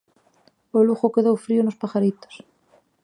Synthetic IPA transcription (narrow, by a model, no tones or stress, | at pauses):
oluxokeðowfɾionospaxaɾit̪o̥s